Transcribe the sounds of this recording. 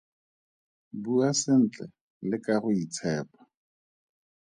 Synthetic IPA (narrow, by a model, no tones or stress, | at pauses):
buasɪn̩ːt͡ɬɛ | lɪkaɣʊit͡sʰɛːpḁ